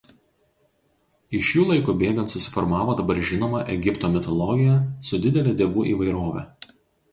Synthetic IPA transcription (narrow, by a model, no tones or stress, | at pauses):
ɪʃʲjuːlˠɐɪkʊbʲeːɡɐ̃nt̪sʊsʲɪ̥fɔɾmɑːʋoːd̪ɐbɐɾʒʲɪnoːmɐʔɛɡʲɪpt̪oːmʲɪt̪ɔlˠɔɡʲɪjɛsʊd̪ʲɪd̪ʲɛlʲeːd̪ʲeːʋuːʔiːʋɐɪɾoːʋʲɛ̰ː